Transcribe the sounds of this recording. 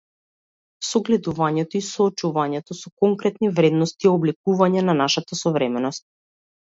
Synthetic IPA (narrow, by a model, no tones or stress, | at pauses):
sɔɡlɛd̪uvaɲɛt̪ɔisɔːt͡ʃuvaɲɛt̪ɔsɔkɔŋkɾɛt̪nivɾɛd̪nɔst̪iɔblɛkuvaɲɛnanaʃat̪asɔvɾɛmɛnɔst̪̚